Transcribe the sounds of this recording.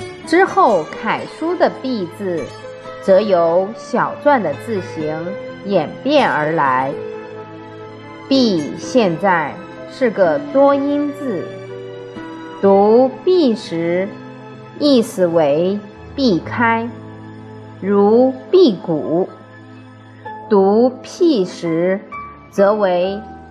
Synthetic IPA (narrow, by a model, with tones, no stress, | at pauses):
ʈ͡ʂɻ̩˥xo˥˩ʊkʰa˨˩ɪʂu˥d̪ə˨pi˥˩t͡sɹ̩˩ | t͡sɤ˧˥jo˧˥ʊɕjɑ˨˩ʊt͡swa˥˩nd̪ə˩t͡sɹ̩˥˩ɕi˧˥ŋjɛ˨˩npjɛ˥˩nə˞˧˥la˧˥ɪ | pi˥˧ɕjɛ˥˧nt͡sa˥˩ɪ | ʂɻ̩˥˩ɡə˩t̪wɔ˥i˥nt͡sɹ̩˨˩ | t̪u˧˥pi˥˩ʂɻ̩˧˥ | i˥˩sɹ̩˨˩we˧˥ɪ | pi˥˩kʰa˥ɪ | ɻu˧˥pi˥˩ku˨˩˦ | t̪u˧˥pʰi˥˩ʂɻ̩˧˥ | t͡sɤ˧˥we˧˥ɪ